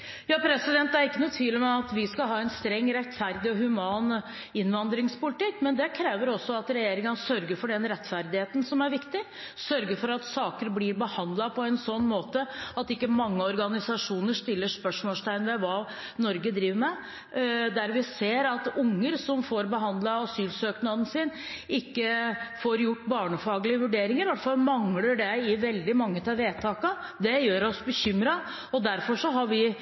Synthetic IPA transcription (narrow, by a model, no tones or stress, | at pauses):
jɑːpʰɾɛsɪd̪ɛnt̪ːæɾɪkːənʊt̪ʰʋiːlɪmɛɑt̪ʋɪskɑlɦɑːɛɪnst̪ɾɛŋːɾɛt̪fæɾd̪ɪɔɦʉmɑːn | ɪnːʋɑnd̪ɾɪŋspʊlɪt̪ɪkːmɛnd̪ɛkʰɾeːʋəɾɔsːɔɑt̪ɾɛjeːɾɪŋənsœɾɡəɾfɔɖɛnɾɛt̪ːfæɾd̪ɪheːt̪n̩sɔmæɾʋɪkt̪ɪ | sœɾɡəɾfɔɾɑt̪sɑːkəɾblɪɾbəhɑnd̪lɑpʰɔɛnsɔnːmoːt̪əɑt̪ɪkːəmɑŋːəɔɾɡɑnɪsɑʂuːnəʂt̪ɪlːəʂpœʂmoːlst̪ʰæɪnʋɛʋɑː | nɔɾɡəd̪ɾiːʋəɾmɛ | d̪æɾʋɪseːɾɑt̪ʊŋːəɾsɔmfoːɾbəɦɑnd̪lɑɑsyːlsøːknɑd̪ən̩sɪn | ɪkːəfoːɾjʊʈːbɑːɳəfɑːɡlɪəʋʉɖeːɾɪŋəɾʋæʈfɑlmɑŋləɖɛɪʋɛld̪ɪmɑŋːət̪ʰɛʋeːt̪ʰɑːkɑ | d̪ɛjøːɾɔsbəçʏmɾɑ | ɔd̪æɾfɔʂɔɦɑɾʋɪ